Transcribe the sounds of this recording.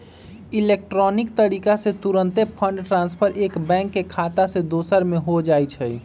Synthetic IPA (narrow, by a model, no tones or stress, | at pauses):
ilek̚ʈɾɔnikt̪əɾikaset̪uɾənt̪epʰəɳɖʈɾãnspʰəɾʔekbɛ̃ŋkːekʰat̪ased̪osəɾmeɦod͡ʒajt͡ʃʰəj